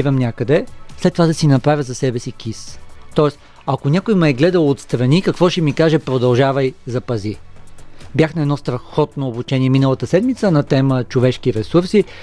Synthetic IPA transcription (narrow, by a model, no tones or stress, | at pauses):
vɐmnʲakəd̪ɛslɛt̪ːovad̪ɐsinɐpɾavʲjəzɐsɛbɛsikist̪ɔɛs | ɐkonʲakojmɛɛɡlɛd̪əlˠot̪st̪ɾɐnikɐkvɔʃɛmikaʒɛpɾod̪ɐlˠʒavɐjzɐpɐzi | bjaxnɐɛd̪nɔst̪ɾɐxɔt̪noːbut͡ʃɛniɛminəlˠɐt̪əsɛd̪mit̪sənɐt̪ɛmət͡ʃovɛʃkiɾɛsuɾsi